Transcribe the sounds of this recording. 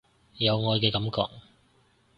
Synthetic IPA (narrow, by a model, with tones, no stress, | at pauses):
jɐ˨˧wŋɔː˨˧jkɛː˧kɐ˨˥mkɔ̰ː˧k̚